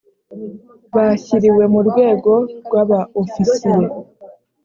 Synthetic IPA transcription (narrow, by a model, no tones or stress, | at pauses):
βaçiɾiwe̞muɾɡwe̞ːɡo̞ɾɡwaβaofisije